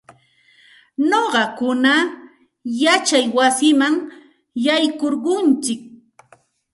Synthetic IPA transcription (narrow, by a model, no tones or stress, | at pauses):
noɢɑkʊna | jat͡ʃajwasɪmaŋ | jajkoɾɢʊnt͡ʃɪk̚